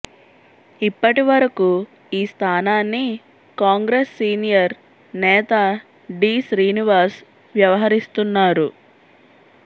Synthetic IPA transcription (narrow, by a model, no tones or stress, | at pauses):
ipːɐʈiʋɐɾɐku | iːst̪ʰaːnaːnːi | kaːŋɡɾesːiːnijɐɾ | nɛːt̪a | ɖiːsɾiːniʋaːɾs | ʋjɐʋɐɦɐɾist̪unːaːɾu